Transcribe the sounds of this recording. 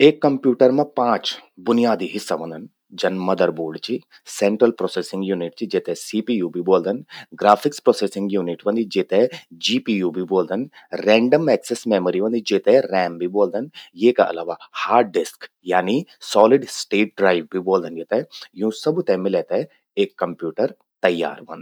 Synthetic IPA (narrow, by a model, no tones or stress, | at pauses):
eːkːɐmpjuːʈəɾmẽpãːt͡ʃbʊnijaːd̪iɦɪsːaʋɐ̃nd̪ʱɐn | d͡ʒɐnmɐd̪ɐɾbuːɾɖt͡ʃi | sẽːɳʈɾəlpɾoːsesɪ̃ŋɡjuːnɪʈt͡ʃid͡ʒeːt̪ẽsiːpiːjuːbʱiboːld̪ɐnɡɾaːpʰɪkspɾoːseːsɪ̃ŋɡjuːniʈʋɐ̃nd̪id͡ʒeːt̪ed͡ʒiːpiːjuːbʱiboːld̪ɐn | ɾɛ̃ːɳɖəmɛːksesmeːməɾiʋɐ̃nd̪id͡ʒeːt̪ẽɾɛːmbʱiboːld̪ɐnjeːkaʔɐ̰laːʋahaːɖɪsk | jaːnisɔːlɪɖsʈeːʈ̚ɖɾaːɪʋbʱiboːld̪ənd͡ʒeːt̪ejũːsɐbt̪ɛmɪleːt̪ɛ | eːkːɐmpjuːʈəɾ | t̪ɐjːa̰ːɾʋɐ̰̃nd̪